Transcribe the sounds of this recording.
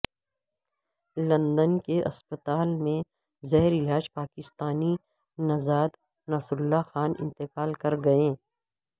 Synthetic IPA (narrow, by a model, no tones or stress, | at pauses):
lɐ̃nd̪ənkeʔɐ̰spət̪aːlmẽ | zɛɦɾɪlaːd͡ʒpaːkɪst̪aːni | nɐzaːd̪ | naːsɾʊlːaxaːnɪ̰̃nt̪ɪkaːlkɐɾɡɐẽː